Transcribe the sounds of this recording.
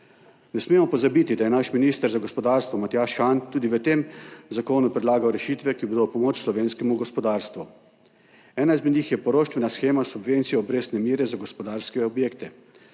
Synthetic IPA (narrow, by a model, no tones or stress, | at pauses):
nɛsmemɔpɔzabit̪id̪ajɛnaʃminist̪əɾzaɡɔspɔd̪aːɾst̪ʋɔmat̪jaːʃxant̪uːd̪iʋət̪emzakoːnupɾɛd̪laːɡawɾɛʃit̪ʋɛkibod̪opɔmoːt͡ʃslɔʋeːnskɛmuɡɔspɔd̪aːɾst̪ʋu | ɛːnaizmɛd̪niːxjɛpɔɾoːʃt̪ʋɛnasxeːmasubʋeːnt̪siɛɔbɾeːsnɛmiːɾɛzaɡospɔd̪aːɾskɛɔbjeːkt̪ɛ